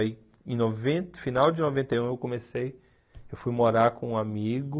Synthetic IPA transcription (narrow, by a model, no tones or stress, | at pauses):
i | ẽnovẽt̪finawd͡ʒɪnovẽnt̪ejũewkõmesej | ewfujmoɾaɾkõũamiɡʊ